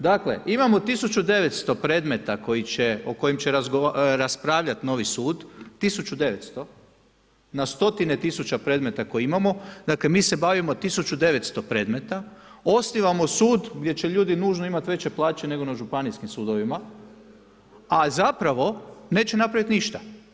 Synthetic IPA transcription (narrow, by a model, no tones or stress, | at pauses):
d̪akle̞ʔimamo̞t̪isut͡ʃud̪e̞ʋe̞t̪st̪o̞pɾe̞ːd̪me̞t̪ako̞jit͡ɕe̞oko̞jimt͡ɕe̞ɾazɡoɾaspɾaːʋʎat̪no̞ʋisuːd̪ːisut͡ʃud̪e̞ʋet̪st̪o̞ | nast̪o̞t̪ine̞t̪isut͡ʃapɾe̞d̪me̞t̪ako̞jiimamo̞d̪aːkle̞miːse̞baʋimot̪isut͡ʃud̪e̞ʋe̞t̪st̪o̞pɾe̞ːd̪me̞t̪a | o̞sniʋamo̞suːd̪ɡd̪je̞t͡ɕe̞ʎuːd̪inuːʒnoimat̪ʋe̞t͡ɕe̞plˠaːt͡ʃe̞ne̞ɡonaʒupaniskimsuːd̪oʋima | azapɾaʋo̞ne̞ːt͡ɕenapɾaʋit̪niʃt̪a